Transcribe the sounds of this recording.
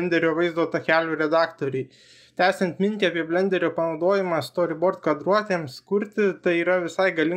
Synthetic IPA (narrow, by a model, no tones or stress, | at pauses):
nʲd̪ʲɛɾʲoːʋɐɪzd̪oːt̪ɐkʲæːlʲuːɾʲɛd̪ɑːkt̪oːɾʲɛɪ | t̪ʲæːsʲɛnʲt̪ʲmʲɪnʲt̪ʲiɑːpʲiɛbʲlʲɛnʲd̪ʲɛɾʲoːpɐnɒʊd̪oːjɪmɑst̪oːɾʲɪboːɾt̪kɐd̪ɾuɔt̪ʲeːmskʊɾʲt̪ʲɪt̪ɐɪiːɾɐʋʲɪsɐɪɡɐlʲɪ